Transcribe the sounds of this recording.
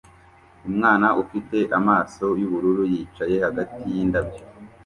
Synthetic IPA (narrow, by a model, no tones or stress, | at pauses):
umŋaːnaʔufite̞ʔamaːso̞juβuɾuɾujiːt͡ʃaje̞haɡatijiːndabjo